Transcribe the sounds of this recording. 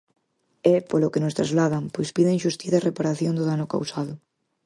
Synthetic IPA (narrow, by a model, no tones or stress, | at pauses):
ɛpolokenost̪ɾazlað̞aŋpojspiðeŋʃust̪iθarepaɾaθjond̪ʊðanʊka̰wsaðʊ